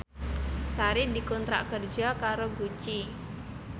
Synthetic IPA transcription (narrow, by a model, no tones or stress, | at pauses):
saɾidikɔnt̪ɾa̰ʔkərd͡ʒakaɾoɡut͡ʃi